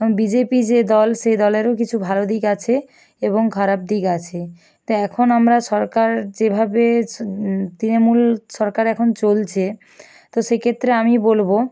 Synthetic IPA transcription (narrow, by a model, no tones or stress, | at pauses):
bid͡ʑepid͡ʑed̪ɔlʃejd̪ɔleɾok̬it͡ɕʰubʱalod̪ikat͡ɕʰe | eboŋkʰaɾab̚d̪ikat͡ɕʰe | t̪oɛkʰonamɾaʃɔɾkaɾd͡ʑebʱabe | t̪ɾinomulʃɔɾkaɾɛkʰont͡ɕolt͡ɕʰe | t̪oʃekʰet̪ːɾeamibolbo